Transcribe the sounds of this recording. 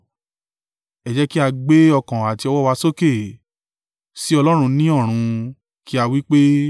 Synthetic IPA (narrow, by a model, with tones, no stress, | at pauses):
ɛ˨d͡ʒɛ˦ki˦a˧ɡ͡be˦ɔ˧kã˨a˨ti˧ɔ˧wɔ˦wa˧so˦ke˦˨ | si˦ɔ˧lɔ˦ɾ̃ũ˧nĩ˦ɔ˦˨ɾ̃ũ˧ | ki˦a˧wi˦k͡pe˦